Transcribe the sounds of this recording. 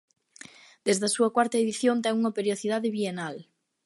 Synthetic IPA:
d̪̥ezðɐsuɐkwaɾt̪ɐeðiθjont̪ɛŋuŋɐpeɾjoθið̞aðeβienal

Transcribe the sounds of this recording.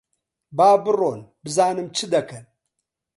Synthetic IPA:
baːbɨronbɨzaːnɨmt͡ʃʰɨd̪ɐkʰɐn

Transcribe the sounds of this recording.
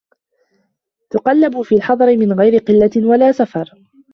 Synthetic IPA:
t̪ʊqɑlːabʊfiːlħɑðˤɑɾɪmɪnɣajɾɪqɨlːawalaːsafɑɾˤ

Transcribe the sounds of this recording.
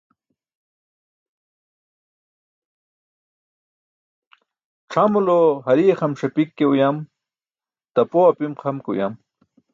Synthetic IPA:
ʈ͡ʂʰamulohɐɾieχamʂapikːeujam | t̪apoapimqʰamkṵja̰m

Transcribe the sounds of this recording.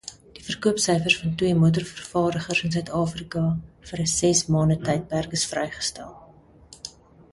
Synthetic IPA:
d̥ifərkuəpsœjfərsfɐntwiəmuət̬ərfərfɑːɾəχərsəns̬œɥtɑːfrikɑfəɾəsɛsmɑːndətɛjt̚pærkəsfrɛjχə̥stæ̰lˠ

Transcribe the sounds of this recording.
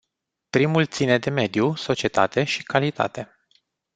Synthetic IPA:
pɾimult̪sine̞d̪e̞me̞d̪juso̞t͡ʃie̞t̪a̰t̪e̞ʃi̥kalit̪a̰t̪e̞

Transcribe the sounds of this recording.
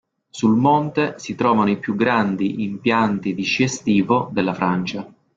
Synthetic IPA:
sulmont̪esit̪ɾɔːvanoipjuɡɾand̪iʔimpjant̪id̪id͡ʒest̪iːvod̪elːafɾant͡ʃa

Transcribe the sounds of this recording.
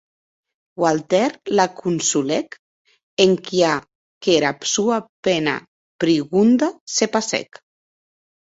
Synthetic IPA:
walt̪ɛɾlakunsulɛk | eŋkia | keɾapsuapena̰ | pɾiɣund̪asepasɛ̰k

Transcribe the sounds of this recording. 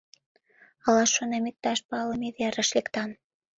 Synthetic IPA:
ɑlɑʃːonɑmek̚t̪ɑʃpɑlə̆meβeɾə̆ʃlekt̪ɑn

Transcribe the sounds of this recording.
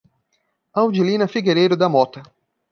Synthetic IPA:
ɐwd͡ʒilĩnɐfiɡeɾejɾʊd̪ɐmɔt̪ɐ

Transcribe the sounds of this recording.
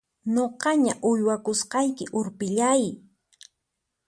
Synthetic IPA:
ɲoqɑɲaʔʊjwakʊsqɑjkɪʔʊɾpɪʎaj

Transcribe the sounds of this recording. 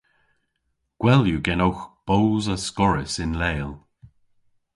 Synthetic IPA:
ɡ̥wɛljuɡɛnowxb̥oːzəskɔɹɪsɪnleːlˠ

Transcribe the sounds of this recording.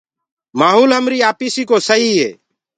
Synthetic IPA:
maːɦuːlɦəmɾiːaːpiːsiːkoːsəɦiːɦḛː

